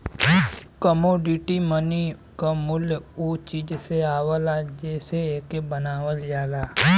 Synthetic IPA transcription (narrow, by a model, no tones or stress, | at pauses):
kəmoːɖɪʈiməni | kamʊljut͡ʃiːd͡ʒseaːwəlad͡ʒɛːseeːkebənaːʋəld͡ʒaːlaː